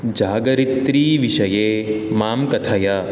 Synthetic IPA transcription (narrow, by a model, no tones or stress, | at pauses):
d͡ʒaːɡɐɾit̪ɾiːʋiʃɐjeːmaːmkɐʈʰɐjɐ